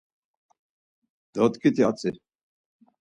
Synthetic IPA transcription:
d̪̥ɔt̪kʰʼit̪ʰiat͡sʼi

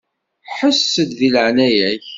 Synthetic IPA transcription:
ħəsːəd̪ðiləʕnæjæç

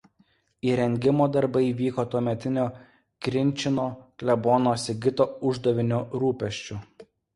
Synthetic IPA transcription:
iːɾʲɛŋʲɡʲɪmoːd̪ɐɾbɐɪiʋʲiːkoːt̪uɔmʲɛt̪ʲɪnʲoː | kɾʲɪnʲˑt͡ʃʲɪnoːklʲɛboːnoːsʲɪɡʲɪt̪oːʊʒd̪ɐʋʲɪnʲoːɾuːpʲɛʃʲt͡ʃʲʊ

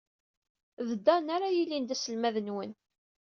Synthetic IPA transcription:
ðəd̪ːænaɾajilːind̪æsəlmæðənwən

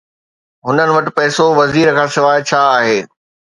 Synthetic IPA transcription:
ɦʊnənɪ̆ʋɐʈɪ̆pɛːsoʋɐziːɾkʰãːsɪʋaːɪt͡ɕʰaːaːɦeː

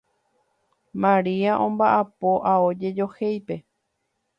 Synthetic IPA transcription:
mãɾiaʔõ̞mbaʔapoʔaod͡ʒe̞d͡ʒo̞hejpe̞

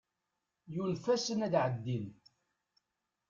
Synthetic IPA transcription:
junfæsənæd̪ʕəd̪ːin

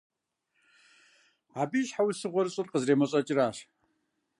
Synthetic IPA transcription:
aːbiːʃħawisɨʁʷɔɾɨɕʼʊrqəzreːmɐɕʼɐt͡ʃʼɪɾaːɕ

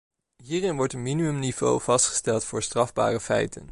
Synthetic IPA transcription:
ɦiːrɪnʋɔɹtənminimɵmniv̥o̰wv̥ɑstχə̥stɛlˠtfʊːɹstrɑvba̰ːrəfɛ̰jtə̰n

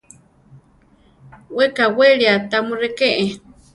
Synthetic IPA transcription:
wekaweɺiat̪amurekeʔe

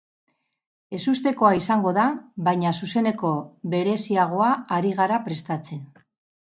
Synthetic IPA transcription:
e̞sust̪e̞ko̞aisaŋɡo̞ðaβajɲasuse̞ne̞ko̞βe̞ɾe̞siaɣ̞o̞aːɾiɣ̞aɾapɾe̞st̪at͡se̞n

